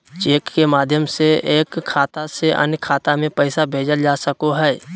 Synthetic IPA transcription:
t͡ʃeːkːemaːd̪ʱjəmseeːkʰːaːt̪aseʔɐ̰njkʰːaːt̪amẽpɛɪsabʱeːd͡ʒəld͡ʒaːsəkoɦɛː

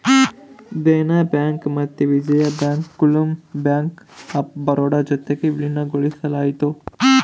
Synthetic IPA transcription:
d̪eːnabaːŋkmɐt̪ːeʋid͡ʒɐjabaːŋkːulumbaːŋkɐp̚bɐɾoːɽad͡ʒɐt̪ːekiʋilinaɡoɭisɐlaːit̪oː

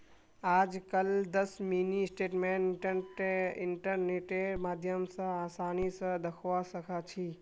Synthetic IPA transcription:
aːd͡ʒkəld̪əsminisʈeːʈmeʈ | ɪɳʈəɾneʈemaːd̪ʱjəmsə̃aːsaːnisə̃d̪əkʰʋasəkʰat͡ʃʰi

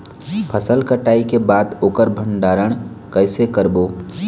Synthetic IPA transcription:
pʰəsəlkəʈaːikebaːd̪oːkəɾbʱə̃ɳɖaːɾəɽ̃ | kəɪsekəɾboː

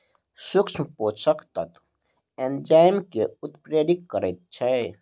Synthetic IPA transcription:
sukt͡ʃʰmpot͡ʃəkt̪ət̪ | end͡ʒajmkeut̪pɾed̪ikːəɾəjt̪̚t͡ʃʰɛ

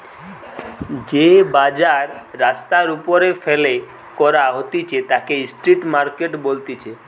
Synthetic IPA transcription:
d͡ʑebad͡ʑaɾːast̪aɾupoɾefele | kɔɾaɦot̪it͡ɕʰet̪akeisʈɾiʈmaɾkeʈbolt̪it͡ɕʰe

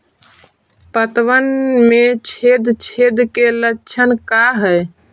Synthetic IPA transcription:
pət̪ʋənmet͡ʃʰed̪t͡ʃʰed̪kelətːt͡ʃʰənkaɦəj

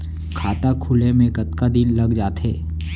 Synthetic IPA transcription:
kʰaːt̪akʰʊlemẽɡɐt̪kad̪ɪnlɐɡd͡ʒaːt̪ɦeː

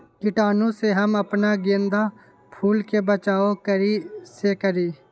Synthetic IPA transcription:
kɪʈaːnõseɦəməpnaɡẽːnd̪a | pʰuːlkebət͡ʃaːokəɾiːsekəɾiː

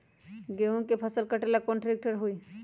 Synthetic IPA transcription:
ɡeũkepʰəsəlkəʈelakõːɳʈɾeːk̚ʈəɾɦoi

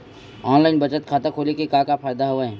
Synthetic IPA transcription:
ɔːnlaːɪnbɐt͡ʃət̪̚kʰaːt̪akʰoːlekekaːkapʰaːjd̪aɦoeɦɛ̃ː

